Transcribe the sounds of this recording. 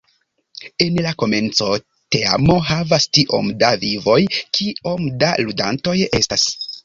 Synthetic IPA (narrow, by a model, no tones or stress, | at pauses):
e̞nlako̞me̞nt͡so̞ | te̞a̰mo̞ɦavastiʔo̞̰mdavivo̞jkʰio̞mda̰ludanto̞je̞stas